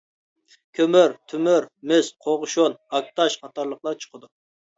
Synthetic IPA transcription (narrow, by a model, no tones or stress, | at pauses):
kʲʰømyɾt̪ʰymyɾmɪsqʰoʁʊʃonɑk̚t̪ʰɑʃχɑt̪ɑɾlˠəqlˠɑɾt͡ʃʰə̥qʰəd̪u